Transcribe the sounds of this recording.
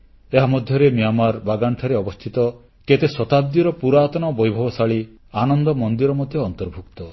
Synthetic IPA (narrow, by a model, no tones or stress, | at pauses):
eɦamɔd̪ʱjɔɾemiamaɾbaɡaɳʈʰaɾeɔbɔst̪ʰit̪ɔ | ket̪esɔt̪ab̚d̪iɾɔpuɾaːt̪ɔnɔbɔjbʱɔbɔsaɭi | anɔnd̪ɔmɔnd̪iɾɔmɔd̪ʱjɔːnt̪ɔɾbʱukt̪ɔ